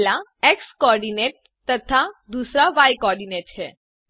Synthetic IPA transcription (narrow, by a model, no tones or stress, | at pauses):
laekskɔːɾɖineʈ̚ | t̪ət̪ʰad̪usɾaʋajkɔːɾɖineʈ̚t͡ɕʰe